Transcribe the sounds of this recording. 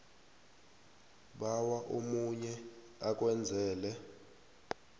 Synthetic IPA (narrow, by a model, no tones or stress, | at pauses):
ɓawaʔomuɲɛ | ak̬ʼwɛnd͡zʱɛːlɛ